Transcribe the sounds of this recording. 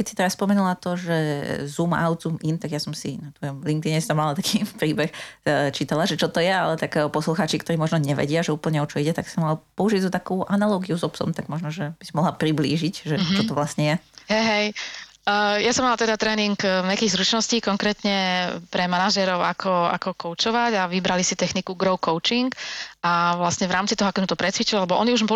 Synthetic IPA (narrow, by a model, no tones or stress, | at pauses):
kɛcsi̥t̪ɛɾaspɔmɛnulat̪ɔʒɛzuma̰ʊd̪zumʔint̪aɡjasɔmsḭnat̪ʋɔjɔmliŋkt̪iɲɛst̪amːalat̪akʰiːpɾiːbɛxt͡ʃiːt̪alaʒɛt͡ʃɔt̪ɔjɛalɛt̪akpɔsluxaːt͡ʃikt̪ɔɾiːmɔʒnɔɲɛʋɛ̰ɟɪaʒɛuːpl̩ɲɛɔt͡ʃɔiɟɛt̪aksamalpɔuʒiɟzɔt̪akuːʔanalɔːɡiuzɔpsɔ̰mt̪aɡmɔʒnɔʒɛb̥isimɔɦlapɾibliːʒicʒɛt͡ʃɔt̪ɔʋlasɲɛjɛ | ɦɛjɦɛj | jasɔmːalat̪ɛd̪at̪ɾɛːniŋkɲɛakiːɣzɾut͡ʃnɔsciːkɔŋkɾɛːt̪ɲɛpɾɛmanaʒɛɾɔʊa̰kʰɔa̰kɔkɔʊt͡ʃɔʋaɟaʋibɾalisit̪ɛxnikuɡɾɔʊkɔʊt͡ʃiŋkaʋlasɲɛʋɾaːmt͡sit̪ɔɦɔakɔmut̪ɔpɾɛt̪t͡sʋit͡ʃilalɛbɔʔɔniuʒ